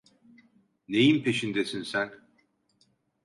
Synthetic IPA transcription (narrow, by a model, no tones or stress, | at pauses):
nejimpʰe̞ʃind̪esinsæn